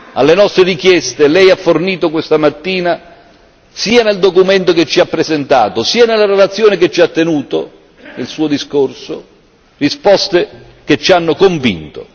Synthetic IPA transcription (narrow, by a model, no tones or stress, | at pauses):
alːenɔst̪ɾerik̟jɛst̪elɛjafːorniːt̪ok̬west̪amat̪ːiːna | siːaneld̪okument̪oket͡ʃːiapːɾezent̪a̰ːt̪osiːanelːaɾelat̪sːjoːnɪket͡ʃːiat̪ːenuːt̪o̰ | nelsuːod̪iskorso | rispɔst̪e | ket͡ʃːanːʊkoɱvḭnt̪o